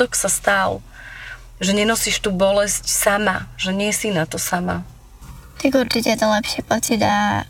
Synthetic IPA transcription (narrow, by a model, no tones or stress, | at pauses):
ɔksast̪al | ʒɛɲɛnɔsiʃt̪uːbɔlɛscsamaʒ̥ɛɲɪɛsinat̪ɔsama̰ | t̪aɡuɾt͡ʃicɛjɛt̪ɔlɛpʃɪɛpɔt͡sid̪a